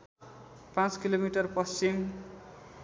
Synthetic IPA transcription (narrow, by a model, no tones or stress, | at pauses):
pãt͡skilomiʈʌrpʌst͡sim